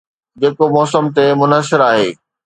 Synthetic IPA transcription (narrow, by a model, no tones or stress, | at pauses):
d͡ʑeːkomɔːsəmt̪emʊnəsɪɾaːɦeː